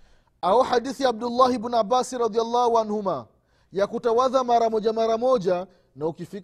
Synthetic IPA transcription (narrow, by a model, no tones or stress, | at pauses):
aɔħaɗiθiab̚dulːahibunabasiɾɑd̪ialːahuanhuma | jakutawaðamaɾamɔʄamaɾamɔʄa | naukifik